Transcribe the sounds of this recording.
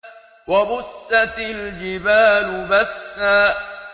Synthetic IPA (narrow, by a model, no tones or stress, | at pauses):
wabʊsːat̪ald͡ʒɪbaːlʊbasːaː